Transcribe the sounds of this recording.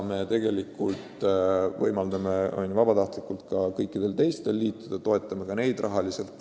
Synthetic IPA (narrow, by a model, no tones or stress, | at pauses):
me̞t̪e̞ɡe̞likːult̪vɤjmɑld̪ɑme̞ʔo̰nʲvɑbɑt̪ɑht̪likult̪kɑkɤjkːˑid̪̥e̞lt̪e̞jst̪e̞lːiːt̪ːˑud̪̥ɑt̪o̞e̞t̪ːˑɑmekɑne̞jd̪rʔɑɦɑlise̞lt̪ːˑ